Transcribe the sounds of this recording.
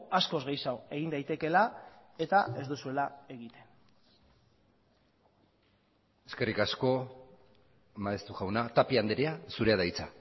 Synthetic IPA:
asko̞zɣejsawe̞ɣind̪ajt̪e̞ke̞lae̞t̪ae̞zd̪usue̞lae̞ɣit̪e̞n | e̞ske̞rikasko̞ | maest̪uɣawnat̪apiand̪eɾeasuɾe̞aðajt͡sa

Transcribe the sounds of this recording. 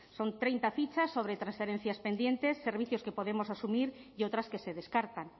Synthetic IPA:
sont̪ɾejnt̪afit͡ʃasːoβ̞ɾet̪ɾansfeɾen̟θjaspend̪jẽnt̪esːeɾβ̞iθjoskepoðemosasumiɾiowt̪ɾaskeseðeskaɾt̪aŋ

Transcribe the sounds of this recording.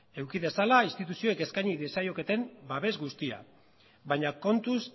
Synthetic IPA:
e̞wkiðe̞salaist̪it̪usio̞eke̞skajɲiðesajo̞ke̞t̪e̞mbaβe̞zɡust̪ia̰ | βajɲako̞nt̪us

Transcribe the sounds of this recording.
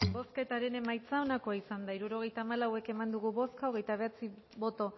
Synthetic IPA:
bo̞ske̞t̪aɾe̞ne̞majt͡sao̞nako̞aisand̪aiɾuɾo̞ɣ̞e̞jt̪aːmalawe̞ke̞mand̪uɣuβo̞skaoɣ̞e̞jt̪aβ̞e̞at͡si | βo̞t̪o̞

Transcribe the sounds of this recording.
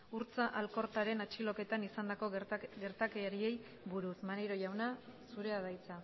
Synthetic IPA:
uɾt͡saʔalko̞ɾt̪aɾe̞nat͡ʃilo̞ke̞t̪anisand̪ako̞ɡe̞ɾt̪akeaɾie̞j | βuɾusmaneɾo̞ʝawnasuɾe̞að̞ajt͡sa

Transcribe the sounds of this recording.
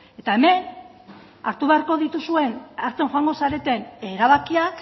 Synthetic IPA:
e̞t̪ae̞me̞n | aɾt̪uβe̞aɾko̞ðit̪usue̞naɾt͡seŋxoaŋɡo̞saɾe̞t̪e̞ne̞ɾaβ̞akiak

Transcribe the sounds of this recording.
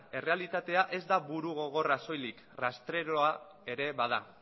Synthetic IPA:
e̞re̞alit̪at̪e̞aʔe̞zd̪aβuɾuɣ̞o̞ɣ̞o̞raso̞jlik | rast̪ɾe̞ɾoa | e̞ɾe̞βað̞a

